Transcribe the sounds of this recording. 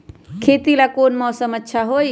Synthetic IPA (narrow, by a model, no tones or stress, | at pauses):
kʰeːt̪ilakoːnmɔːsəmɐtːʃʰaɦoːi